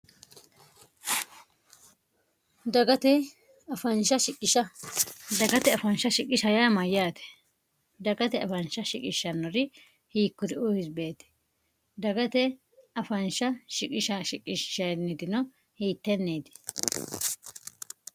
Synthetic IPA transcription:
d̪ɐɡɐt̪ɛ | ɐfɐnʃɐʃɪkʼːɪʃɐd̪ɐɡɐt̪ɛɐfɐnʃɐʃɪkʼːɪʃɐjaːmɐjaːt̪ɛ̥ | d̪ɐɡɐt̪ɛɐfɐnʃɐʃɪkʼɪʃːɐnːɔɾɪ | hiːkːɔd̪ɪʊhɪsbe̞ːt̪ɛ̥ | d̪ɐɡɐt̪ɛ | ɐfɐnʃɐʃɪkʼɪʃɐʃɪkʼːɪʃɐnːɪd̪ɪnɔ | hiːt̪ːɛnːeːd̪ɛ̥

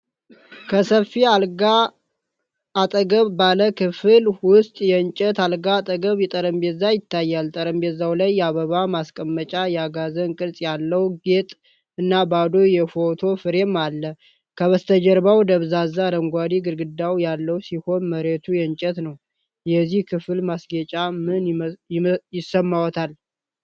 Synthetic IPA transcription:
kʰəsəfialɡa | at̪ʼəɡəβbaləkʰɨfɨlwʊst̪ʼjɛɲt͡ʃʼɛt̪alɡat̪ʼəɡəβjɛt̪ʼəɾəmbezajɪt̪ʰːajːalt̪ʼəɾəmbezawlajːaβəβamaskʼəmːət͡ʃʼajɛaɡazənkʼɨlsʼjalːəwɡet̪ʼ | ɨnːabad̪o̞jɛfo̞t̪ʰo̞fɨɾe̞malːə | kʰəβəst̪ʰəd͡ʒəɾbawd̪əβzazaɾəŋɡʷad̪iɡɨɾɡɨd̪awjalːəwsiho̞nməɾet̪ʰujɛɲt͡ʃʼɛt̪nəw | jɛzːihkʰɨflmasɡet͡ʃʼamɨn | jɪsːəmːawɔt̪ʰal

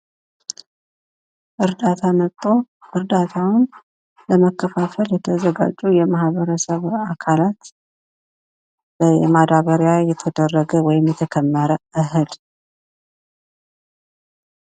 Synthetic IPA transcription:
ʔɨɾd̪at̪ʰamət̪ʼːo̞ | ɨɾd̪at̪ʰawn | ləməkʰːəfafəljɛt̪ʰəzəɡa̰d͡ʒːujɛmahβəɾəsəβakʰalat̪ | b̥əjɛ̰mad̪aβəɾjajɛt̪ʰəd̪ərːəɡəwɔjɪmjɛt̪ʰəkʰəmːəɾəʔɨɦɨl

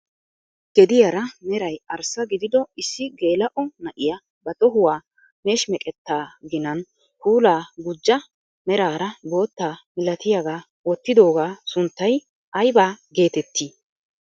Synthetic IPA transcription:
ɡ̥ɛd̪ɪjɐɾɐmɛɾɐjɐɾsɐɡɪd̪ɪd̪ɔɪsːɪɡe̞ːlɐʔɔnɐʔɪjɐ | bɐt̪ʼɔɦʊwaː | me̞ːʃmɛkʼɛt̪ːaːɡɪnɐn | huːlaːɡʊd͡ʒːɐ | mɛɾaːɾɐbo̞ːt̪ːaːmɪlɐt̪ɪjaɡaː | wɔt̪ːɪd̪o̞ːɡaːsʊnt̪ːɐj | ʔɐjbaːɡe̞ːt̪ɛt̪ːiː

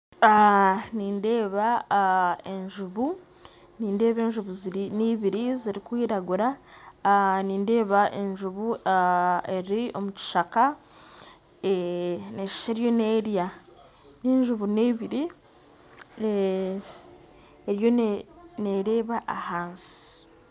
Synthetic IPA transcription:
aniːnde̞ːβa | e̞ɲʒuβu | niːnde̞ːβe̞ːɲʒuβuzniβiɾiziɾikwiːɾaɡuɾa | niːnde̞ːβaʔe̞ɲʒuβu | e̞ɾio̞̰muci̥ʃaka | ene̞ʃi̥ʃeɾjo̞neɾja | neːɲʒuβuneβiɾi | eɾjo̞ne̞ɾe̞ːβaʔahaːnzi̥i

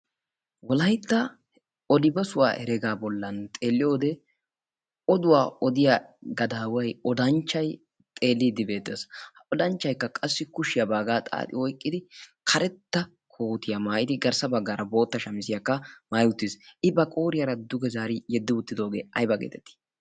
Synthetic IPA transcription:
wɔlɐjt̪ːɐ | ɔlɪbɐsʊwa̰ːʔɛ̰ɾɛɡaːbɔlːɐnt̪ʼeːlːɪjo̞ːd̪ɛ | ɔd̪ʊwaːɔd̪ɪjaɡɐd̪aːwɐjɔd̪ɐnt͡ʃːɐj | t̪ʼe̞ːlːiːd̪ɪbe̞ːt̪ːeshɔd̪ɐnt͡ʃːɐjkːɐkʼɐsːɪkʊʃɪjɐbaːɡaːt̪ʼa̰ːt̪ʼɪwɔjkʼːɪd̪ɪkʰɐɾɛt̪ːɐ | kʰo̞ːt̪ɪjɐmaːʔɪd̪ɪɡɐɾsɐbɐɡːaːɾɐbo̞ːt̪ːɐʃɐmɪsɪjakːɐmaːjʊt̪ːɪsɪbɐkʼoːɾɪjɐɾɐd̪ʊɡɛzaːɾɪjɛd̪ːɪʊt̪ːɪd̪o̞ːɡe̞ːʔɐjbɐɡḛːt̪ɛt̪ːɪ̥

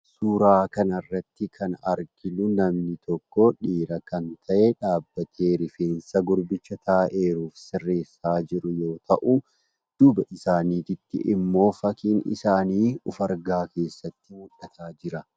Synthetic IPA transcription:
suːɾaːkɐnɐrːɐt̪ːɪkʰɐnɐ̰ɾɡɪlʊnɐmnɪt̪ɔkːɔᶑiːɾɐkɐnt̪ʰɐʔeᶑaːbːɐt̪ʰe̞ːɾɪfeːnsɐɡʊɾbɪt͡ʃːɐt̪ʰaːʔe̞ːɾuːfsɪrːeːsːaːd͡ʒɪɾʊjo̞ːt̪ʰɐʔu | d̪̥ʊbɐʔɪsaːniːt̪ɪt̪ːɪ̰ʔɪmːo̞ːfɐkiːnɪ̰saːniːʊfɐɾɡaːke̞ːsːɐt̪ːɪmʊᶑːɐt̪ʰaːd͡ʒɪɾɐ

